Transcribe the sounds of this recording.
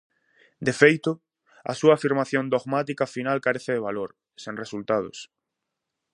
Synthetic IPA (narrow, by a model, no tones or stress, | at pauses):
d̪efejt̪ʊ | ɐ̰suaːfiɾmaθjõnd̪oɣmat̪ikafinalkaɾeθɪðeβ̞aloɾ | sẽŋresult̪aðʊ̰s